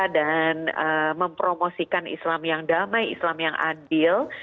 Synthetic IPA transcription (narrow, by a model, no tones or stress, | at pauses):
danəməmpɾomosikanḭslamjaŋdamajḭslamjaŋʔa̰dɪl